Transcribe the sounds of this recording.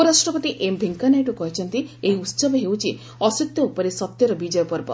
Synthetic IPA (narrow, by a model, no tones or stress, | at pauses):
ɔɾasʈɾɔpɔt̪iʔembʱeŋkanajʈukɔɦet͡ʃʰɔnt̪ieɦiut̪sɔbɔɦewt͡ʃʰi | ɔsit̪jɔopɔɾesɔt̪jɔɾɔbid͡ʒɔjɔpɔɾbɔ̰